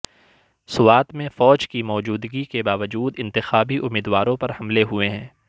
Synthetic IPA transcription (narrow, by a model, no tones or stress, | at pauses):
sʊwaːt̪mẽfɔːd͡ʒkimɔːd͡ʒuːd̪ɡikebaːʋəd͡ʒuːd̪ɪ̃nt̪ɪxaːbiʔʊmːiːd̪waːɾõpɐɾhɐmleɦʊeɦɛ̃ː